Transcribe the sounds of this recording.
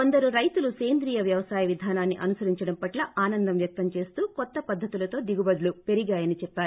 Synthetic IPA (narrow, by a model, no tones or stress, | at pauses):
kond̪ɐɾuɾɐjt̪uluseːnd̪ɾiːjɐʋjɐʋɐsaːjɐʋid̪ʱaːnaːnːiʔɐnusɐɾiɲt͡ʃɐɽɐmpɐʈlɐʔʔaːnɐnd̪ɐmʋjɐk̚t̪ɐmt͡ʃe̞ːst̪uːkɔt̪ːɐpɐd̪ʱːɐt̪ulɐt̪o̞ːd̪iɡubɐd̪ulupe̞ɾiɡaːjɐnit͡ʃɛpːaːɾu